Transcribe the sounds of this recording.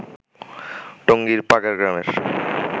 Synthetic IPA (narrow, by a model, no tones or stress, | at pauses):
ʈoŋɡiɾpaɡaɾɡɾameɾ